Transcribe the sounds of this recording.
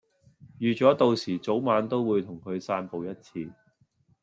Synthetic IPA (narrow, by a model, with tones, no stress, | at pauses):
jyː˨˧t͡ʃɔː˨˥t̪o˨wsiː˨˩t͡so˨˥wmaː˨˧˥nt̪o˥wuː˨˧jt̪ʰʊ˨˩ŋkʰɵ˨˧ɥsaː˧npo˨wjɐ˥t̚t͡sʰiː˧